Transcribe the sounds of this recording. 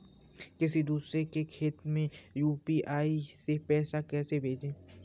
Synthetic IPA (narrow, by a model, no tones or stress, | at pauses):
kɪsid̪uːsɾekekʰeːt̪mẽjuːpiʔaːisepɛːsakɛːsebʱeːd͡ʒẽː